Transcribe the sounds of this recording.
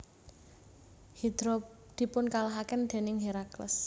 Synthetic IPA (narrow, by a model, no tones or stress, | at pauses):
hid̪̥ɾo | d̪̥i̤pʊnkalaɦakɪnd̪̥e̤nɪŋɦeɾaklə̰s